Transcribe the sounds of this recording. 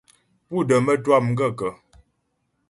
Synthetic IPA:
pu˦˨də˨mə˦twa˦˨mŋ̩˦ɡə˦˨kə˨

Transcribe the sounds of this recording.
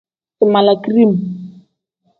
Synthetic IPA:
sɪ˨ma˨la˨kri˦˨m

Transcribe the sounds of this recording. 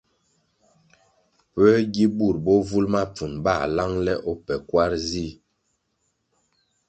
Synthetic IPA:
pɛ˦ɡi˦bu˦˨ɾbɔ˦vu˦lma˦p͡fu˨nba˦˨la˦ŋlɛ˦ʔɔ˦pɛ˨kwa˦ɾzi˦˨

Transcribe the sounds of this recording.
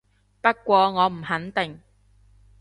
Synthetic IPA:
pɐ˥kʷɔː˧ŋɔː˨˧m̩˨˩hɐ˨˥nt̪ɪ˨ŋ

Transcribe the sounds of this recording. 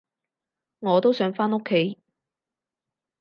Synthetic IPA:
ŋɔː˨˧t̪o˥wsœː˨˥ŋfaː˥no˥kʰːe˨˥j

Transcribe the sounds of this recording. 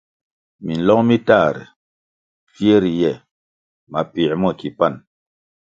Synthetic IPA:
mi˨n̩˨lɔ˦ŋmi˦ta˦˨ɾɛ̰˨ | fje˦ɾi˨jɛ˨ | ma˨pi˨˦mɔ˦˨ki˨pa˦˨n

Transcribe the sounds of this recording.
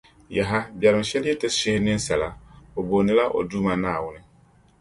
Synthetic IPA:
ja˨ɦa˦bjɛ˨ɾɪ˨mʃɛ˦lɛ˦tɪ˦sɪ˦hɪ˦nɪ˦n˦sɛ˨la˦o˨bo˨nɪ˦la˦ʔo̰˨duː˦ma˨naː˦˨wʊ˦nɪ˦

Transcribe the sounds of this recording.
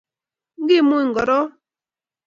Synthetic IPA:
ɡɪ˦˨mu˦i˨ŋ̩˨ɡɔ˨ɾɔ˦

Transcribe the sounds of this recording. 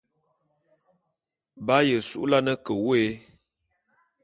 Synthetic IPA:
ba˨˦jə˨sṵ˦ʔla˦nə˦kə˨we˦

